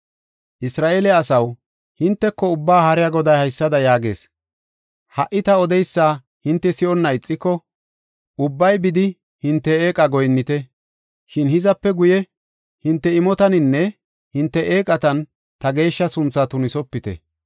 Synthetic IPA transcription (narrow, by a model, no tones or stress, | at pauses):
ʔɪsɾaːʔeːlɛɐsɐw | hɪnt̪ːɛkːɔʊbːaːhɐɾɪjaɡɔd̪ɐjhɐjsːɐd̪ɐjaːɡe̞̰ːs | hɐʔːɪt̪ɐɔd̪ɛjsːaː | hɪnt̪ːɛsɪʔɔnːɐɪt͡sʼːɪkːɔ | ʔʊbːɐjbɪd̪ɪ | hɪnt̪ːɛeːkʼɐɡɔjnːɪt̪ɛ | ʃɪnhɪzɐpːɛɡʊjɛ | hɪnt̪ːɛɪmɔt̪ɐnɪnːɛ | hɪnt̪ːɛʔeːkʼɐt̪ɐn | t̪ɐɡe̞ːʃːɐsʊnt͡sːat̪ʊnɪsɔpːɪt̪ɛ̰